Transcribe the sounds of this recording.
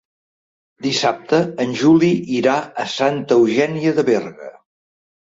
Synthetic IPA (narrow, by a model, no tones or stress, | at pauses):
d̪isap̚t̪əːnʲʒuliiɾaəsant̪əwʒɛniəðəβɛrɣə̰